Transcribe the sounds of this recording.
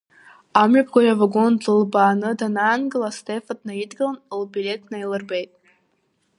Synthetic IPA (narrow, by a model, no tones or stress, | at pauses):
amɥapʰɡʷajavaɡonlɨlbaːnɨdanaːnɡɨlastʰefad̚najidɡʲlanlbilʲe̞tʰnajlɨrbejtʼ